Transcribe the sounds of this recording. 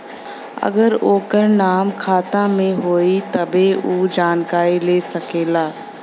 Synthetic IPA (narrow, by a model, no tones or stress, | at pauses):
ɐ̰ɡəɾoːkəɾnaːmkʰaːt̪ãmẽɦoːit̪ɐbʱeuːd͡ʑaːnkaːɾileːsɐkʰeːlaː